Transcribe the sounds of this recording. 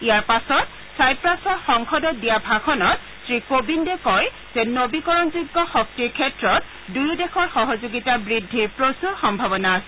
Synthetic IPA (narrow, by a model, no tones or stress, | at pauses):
ijaɹpasɔt | sajpɹasɔɹxɔŋkʰɔdɔt̚dijabʱakʰɔnɔt | sɹikobindɛkɔj | z̥ɛnobikɔɹɔnzuɡːɔxɔk̚tiɹkʰɛtɹɔt̚ | dujudexʰɔɹxɔɦɔzuɡitabɹidʱːiɹpɹosuɹxɔmbʱabɔnaːsɛ